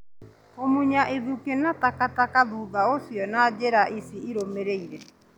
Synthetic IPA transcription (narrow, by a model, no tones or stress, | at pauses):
omuɲaʔeðukenatakatakaðuːðaosjɔnad͡ʒɛɾaʔisiiɾomeɾeiɾɛ